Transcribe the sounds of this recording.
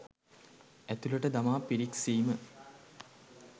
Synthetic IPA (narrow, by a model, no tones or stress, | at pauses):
æt̪ulɐʈəd̪amaːpiɾiksiːmə